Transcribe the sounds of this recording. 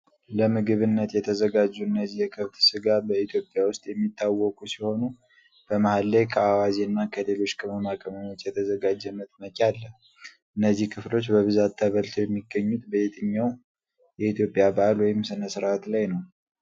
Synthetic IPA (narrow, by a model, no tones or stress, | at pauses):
ləmɨɡɨβɨnːət̪jɛt̪ʰəzəɡad͡ʒːuɨnːəzːihjɛkʰɨβt̪sɨɡabəit̪ʰjopʼjawʊst̪ʼjɛmːit̪ʰːawːɔkʰʼusiho̞nu | b̥əmahalːejkʰəawaziɨnːakʰəle̞lo̞t͡ʃːkʰʼɨməmakʼəməmo̞t͡ʃːjɛt̪ʰəzəɡad͡ʒːɛmət̪ʼməkʲʼalːəh | ʔɨnːəzːihkʰɨflo̞t͡ʃːbəβɨzat̪ʰːəβəlt̪ʰojɛmːiɡːəɲːut̪bət̪ʼɨɲːaw | jɛit̪ʰjopʼːjabaʔalwɔjɪmsɨnəsɨɾʔat̪lajnəw